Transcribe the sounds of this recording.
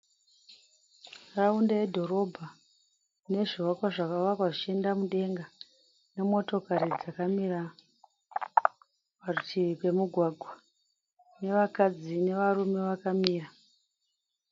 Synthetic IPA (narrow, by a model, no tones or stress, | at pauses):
raundaedʱo̞ɾo̞bʱa | ne̞ʐiwakwaʐakaʋakwaʐit͡ʃe̞ndamuɗe̞ŋɡa | ne̞mo̞to̞kaɾid͡zakamira | ʋarutikwe̞muɡʱwaɡʱwa | ne̞ʋakad͡zine̞ʋarume̞ʋakamiːra